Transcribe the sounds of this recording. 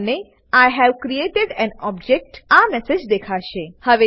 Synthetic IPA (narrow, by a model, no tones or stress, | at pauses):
ne | ajɦɛʋkɾieːʈɪɖɛ̃nɔb̚d͡ʒek̚ʈamɛsed͡ʒd̪ekʰaʃehəʋe